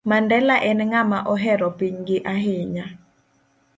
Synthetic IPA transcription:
mandɛlaʔɛnŋamaʔɔɦɛɾɔpiɲɡɪʔaɦɪɲa

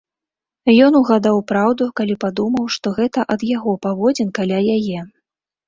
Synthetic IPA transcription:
jɔnuɣad̪awpɾawd̪ukalʲipad̪umɐwʂt̪ɔɣɛt̪ɐʔɐd̪jaɣɔpavɔd͡zʲɛnkalʲajajɛ

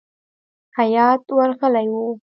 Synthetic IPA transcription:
kʰajat̪uəlkʰalaju

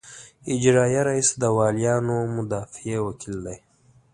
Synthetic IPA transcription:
ɪd͡ʒɾɑːjaɾaisad̪əwɑːlijɑːnomʊd̪ɑːfiewakʰild̪aj

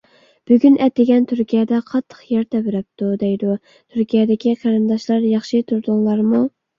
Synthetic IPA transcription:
b̥yɡʲynɛt̪ːɪɡʲɛnt̪ʰyɾkʲijɛd̪ɛqʰɑt̪ʰːə̥χjɛɾt̪ʰɛbɪɾɛp̚t̪ud̪ɛjd̪u | t̪ʰyɾkʲijɛd̪ɪkʲiqʰæɾɨnd̪ɑʃlˠɑɾjɑχʃɨt̪ʰuɾd̪ʊŋlˠɑɾmu

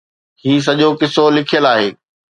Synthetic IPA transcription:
hiːs̬ɐʄokɪsolɪkʰijəlaːɦeː

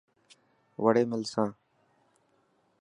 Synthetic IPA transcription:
ʋəɽeːmɪlsãː

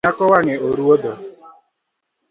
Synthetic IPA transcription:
akɔwaŋɪoɾuodo

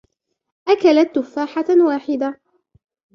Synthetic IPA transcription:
ʔakalat̪ːʊfːaːħawaːħɪd̪a

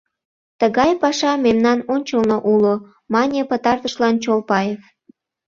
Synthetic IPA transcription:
t̪əɣɑjpɑʃɑmemnɑnonʲt͡ɕəlnoʔulo | mɑnʲepət̪ɑrt̪əʃlɑnt͡ɕolpɑjef

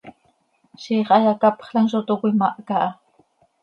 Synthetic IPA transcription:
ʃiχajakapɑ̥χlaŋʃʊt̪ʊkʊjmaʔakaʔ

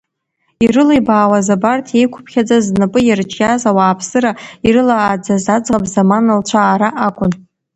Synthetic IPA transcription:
irɨlejbaːwazabartʰjejkʷʰʊ̥pʰχʲad͡zaznɨpʼɨjart͡ʃʼazawaːpʰsɨɾaiɾɨlaːd͡zazad͡zʁapʼzamanɨlt͡ɕʷʰaːɾaʔakʷʼʊn

